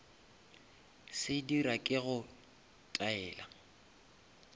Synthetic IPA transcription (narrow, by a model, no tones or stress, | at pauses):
sɪdiɾakʼɪɣʊ | tʼaɛːla